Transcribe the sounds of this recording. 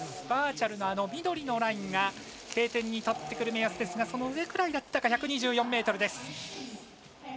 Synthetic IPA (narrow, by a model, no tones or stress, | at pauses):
baːt͡ɕaɾɯ̟no̞ano̞mʲid̪o̞ɾʲino̞ɾaĩŋɡa | kʰe̞ːt̪ẽ̞ɲ̟ːit̪ot̪ːe̞kɯ̟ɾɯ̟me̞asɨ̥be̞sɨɡaso̞no̞ɯ̟e̞kɯ̟ɾaid̪at̪ːakaçakɯ̟ɲ̟iʑɨːjõ̞mːe̞ːt̪o̞ɾɯ̟d̪e̞sɨ̥